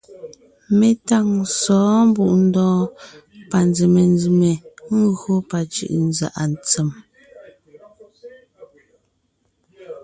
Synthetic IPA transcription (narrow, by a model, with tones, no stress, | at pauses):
me˨ta˦˨ŋsɔː˨˦m˦bu˦ʔn̩˦dɔ̃ː˦pa˨nd͡zi˨me˨n˦d͡zi˨me˨ŋ̩˦ɣɰo˦pa˨t͡ʃɯ̰˦˨ʔn˦za̰˨ʔa˨n˨t͡sɛ˨m